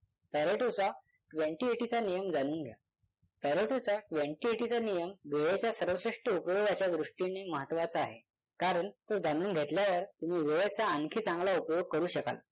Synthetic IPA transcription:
pæɾeʈot͡sa | ʈʋẽɳʈieʈit͡sanijəmd͡zanuːnɡʱja̰ | pɛɾeʈot͡saʈʋeɳʈieʈit͡sanijəmʋeɭet͡ɕjasəɾʋəsɾiʂʈəupjoɡat͡ɕjad̪ɾuʂʈineməɦət̪ʋat͡saaɦe | kaɾəɳt̪od͡zanuːnɡʱet̪ljaʋəɾt̪umiːʋeɭet͡saənkʰiːt͡sãŋɡlaupjoɡ̚kəɾuːɕəka̰l

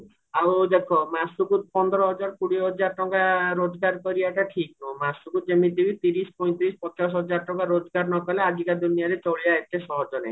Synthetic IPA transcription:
awd̪ekʰomasukut̪̚pɔnd̪ɔɾɔɦɔd͡ʒaɾkuɽiɦɔd͡ʒaɾɔʈɔŋkaɾod͡ʒɡaɾkɔɾiaʈaʈʰiknumasuɡut̪d͡ʒemit̪ibit̪iɾispɔj̃nt̪ɾispɔt͡ʃas̬ɦɔd͡ʒaɾɔʈɔŋkaɾod͡ʒɔɡaɾnɔkɔlead͡ʒikad̪unijaɾet͡ʃɔɭijaet̪ʰesɔɦɔd͡ʒɔna̰j̃

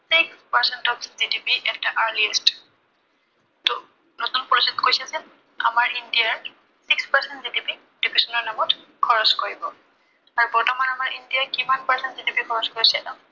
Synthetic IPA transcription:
sikspaɹsɛntɔfzidipiʔɛk̚daʔaɹliɛst | tɔ | notunpɔɹisitkojsɛzɛ | a̰maɹindijaɹ | sikspaɹsɛntzidipi | d̥ibʰisɔnɔɹnamɔt | kʰɔɹɔskoɹibɔ | aɹubɔɹtɔmanamaɹʔindijakimanpaɹsɛntzidipikʰɔɹɔskoɹisɛa

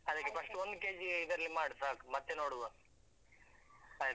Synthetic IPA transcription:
ɐd̪ɨkːepɐʂʈuond̪ukeːd͡ʒid̪ɐɾɐlːimaːɽsaːkmɐt̪ːenoːɽuʋɐ | ɐ

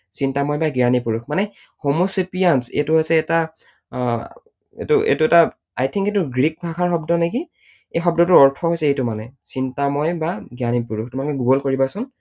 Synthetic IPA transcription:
sintamɔjbaɡianipuɹukʰmanɛ | homosipijansḛtʊɦojsɛːta | ḛtuʔḛtʊɛta | a̰jtʰiŋketʊɡɹik̚bʱakʰaɹxɔbdɔneki | ejxɔb̚dɔtʊɔɹtʰɔɦojsɛejtʊmanɛsintamɔjbaɡianipuɹuktʊmakɛɡuɡɔlkoɹibasʊn

